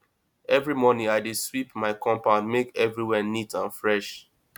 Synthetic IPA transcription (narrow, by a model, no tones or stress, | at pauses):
ɛvɹimɔnĩaɪdeswipmaɪkɔ̃mpamekɛvɹiwɛnitʰãnfɹɛʃ